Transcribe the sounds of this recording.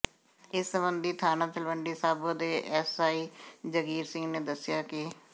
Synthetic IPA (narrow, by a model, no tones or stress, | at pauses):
ɪsːəmbənd̪iːt̪ʰaːnãːt̪əlʋəɳɖiːsaːboːd̪eːʔɛsaːiːd͡ʒəɡiːɾsɪ̃ŋɡneːd̪əsɪjaːkɪ